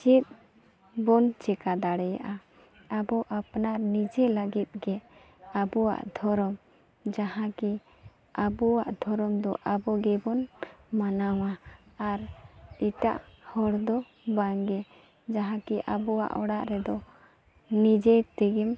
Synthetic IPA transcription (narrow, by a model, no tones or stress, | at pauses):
t͡ʃit̪̚ | bɔnt͡ʃɛkad̪aɽɛja̰ʔa | abɔʔapnaɾnid͡ʒɛlaɡit̪̚ɡɛ | abɔwa̰ʔd̪ʱɔɾɔm | d͡ʒahãki | abɔwa̰ʔd̪ʱɔɾɔmd̪ɔʔabɔɡɛbɔnmanawaːɾiʈaʔhɔɽd̪ɔ | baŋɡɛ | d͡ʒaɦãkiʔabɔwa̰ʔɔɽaʔɾɛd̪ɔ | nid͡ʒɛt̪ɛɡɛm